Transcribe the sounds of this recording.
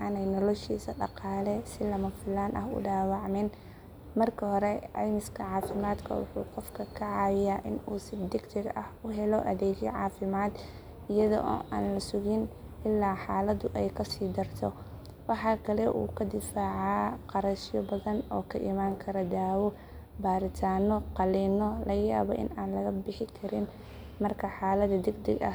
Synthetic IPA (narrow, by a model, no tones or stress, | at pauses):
ʔɐnɛjnɔlɔʃḭːsɐɖɑ̰qɑːlɛsɪlɐmɐfɪlaːnʔɐ̰ɦʊ̰ɖɑːwɑʕmɪn | mɐrkʰɐɦɔɾɛʕɛ̰mɪskʰɐʕɑːfɪmaːd̪kʰɐ̰wʊ̰ħṵːqɔfkʰɐkʰɐʕɑːjɪjaːʔɪnuːsɪd̪ɪkt̪ʰɪɡɐhʊɦɛlɔʔɐðɛːd͡ʒjɛ̰ʕɑːfɪmaːd̪ | ɪjɐðɔ̰ʔɔ̰ːʔaːnlɐsʊɣɪn | ʔɪlːaːħɑːlɐd̪ʊʔɛjkʰɐsiːd̪ɐrt̪ʰɔ̰ | wɑħɑːkʰɐlɛʔṵːkʰɐd̪ɪfaːʕɑːqɑɾɐʃɪjɔbɐðɐnɔːkʰɐʔḭmaːŋkʰɐɾɐd̪aːwɔ | baːɾɪt̪ʰaːnɔqɑliːnɔlɐɣɐja̰ːβɔːʔɪ̰naːnlɐɣɐbɪħɪkʰɐɾɪn | mɐrkʰɐħɑːlɐd̪ɐd̪ɛɡd̪ɛ̰ɡɐ̰